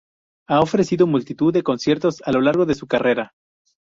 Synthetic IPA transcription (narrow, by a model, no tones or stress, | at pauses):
ao̞fɾe̞siðo̞mult̪it̪uðːe̞ko̞nsje̞ɾt̪o̞salo̞laɾɣ̞o̞ðe̞sukare̞ɾa